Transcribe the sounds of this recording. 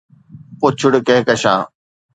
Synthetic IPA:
pʊt͡ɕʰʊɽkeːkəʃãː

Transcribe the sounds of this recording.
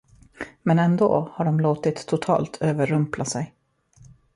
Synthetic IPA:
mɛnɛnd̪o̰ːhaɖɔmloːt̪ɪt̪ʰːʊt̪ʰɑ̰ːlt̪ʰøːvəɾɵmplasɛj

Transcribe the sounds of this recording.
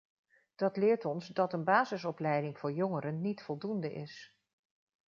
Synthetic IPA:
d̥ɑtlɪːɹtɔnzdɑtənbaːzɪsɔplɛjdɪŋv̥ʊːɹjɔŋəɾənːitfɔlˠdundəʔɪ̰s

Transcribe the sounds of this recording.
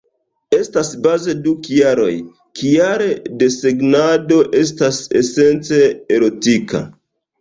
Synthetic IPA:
e̞stasbaze̞dukjaɾo̞̰j | kijaɾede̞se̞ɡnado̞ʔe̞s̬tasese̞nt͡se̞ːɾo̞tika̰

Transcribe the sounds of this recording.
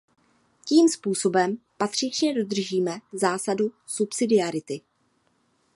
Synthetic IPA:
ciːmspuːso̞bɛmpat̪r̝̥ɪt͡ʃɲɛdo̞d̪r̩ʒiːmɛzaːsadu | supsɪdɪaɾɪt̪ɪ

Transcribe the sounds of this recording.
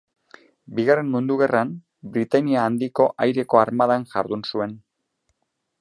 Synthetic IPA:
biɣare̞nmund̪uɣe̞ram | bɾit̪aniaːnd̪iko̞ʔajɾe̞ko̞aɾmað̞anʝa̰ɾðunsue̞n

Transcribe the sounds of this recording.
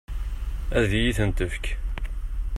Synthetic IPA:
æðjiθənt̪əfk

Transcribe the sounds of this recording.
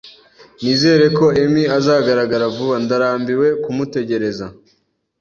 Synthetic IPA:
niːze̞ːɾe̞ko̞emiazaːɡaɾaɡaɾavuβandaɾaːmbiwe̞kumute̞ɟe̞ɾe̞za

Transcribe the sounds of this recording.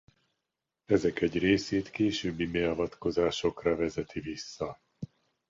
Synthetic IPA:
ɛzɛkɛɟreːseːt̪keːʃøːbːimɛɒvɒt̪ko̞zaːʃo̞krɒvɛzɛt̪ʰivisːɒ

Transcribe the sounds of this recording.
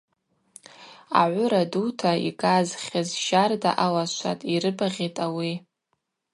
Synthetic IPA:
a̰ʕʷʊɾadutʰaḭkʼazχʲazʒarda̰ʔalaʃʷʰa̰tʼiɾɨbaʁʲetʼawi

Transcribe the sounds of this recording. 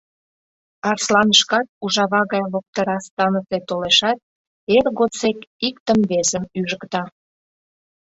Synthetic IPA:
ɑrslɑnəʃkɑt̪̚uʒɑβɑɣɑjβok̚t̪əɾɑst̪ɑnəset̪oleʃɑt̪̚ | erɣot͡sekikt̪əmβesəmyʒəkt̪ɑ

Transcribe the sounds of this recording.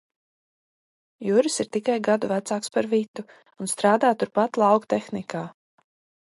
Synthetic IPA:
juɾɨsiɾt̪ikajɡad̪uvæt̪saːkspaɾvit̪uː | nst̪ɾaːd̪aːt̪uɾpat̪lˠɑwkt̪exnikaː

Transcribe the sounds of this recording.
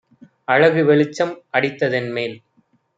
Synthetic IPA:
ɐɻɐɣɯʋɛɭɪt͡ʃːɐmʔɐɽɪt̪ːɐðɪnmeːl

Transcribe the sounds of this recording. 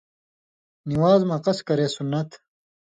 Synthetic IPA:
niwaːzmɐqɐskɐɾeːsunːɐt̪

